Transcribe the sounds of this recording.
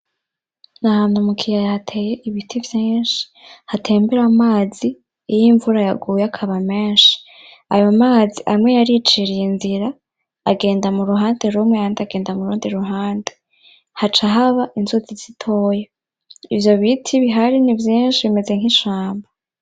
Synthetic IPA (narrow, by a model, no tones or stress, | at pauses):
nahaːn̥humukʰijajahatʰe̞ːje̞ʔiβitʰivjiːnʃi̥ | hatʰeːmbeɾamaːzi | ijiɱvuɾajaɡuːjeakʰaβameːnʃi̥ | a̰jomaːziʔaimŋejaɾit͡ʃiɾijenziɾa | aɡe̞ːndamuɾuɦaːnde̞ɾumŋeaːndaɡe̞ːndamuɾuːndiɾuɦaːnde | hat͡ʃaɦaβaʔinzuziz̥itʰo̞ːje | ivjo̞βitʰiβiɦaɾinivjiːnʃiβime̞ze̞ŋ̥hiʃaːmba